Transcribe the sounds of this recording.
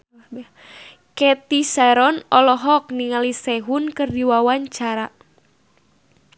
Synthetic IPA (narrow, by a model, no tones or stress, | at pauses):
kɛt̪isaɾɔnɔlɔɦɔk̚niŋalisɛɦunkɨrdiwawaɲt͡ʃaɾa